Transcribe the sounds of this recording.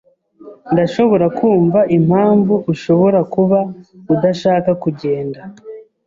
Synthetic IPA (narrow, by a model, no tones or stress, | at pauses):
ndaʃo̞βo̞ɾakʰuːɱvaʔim̥haːɱvuʔuʃo̞βo̞ɾakuβaudaʃaːkakuɟe̞ːnda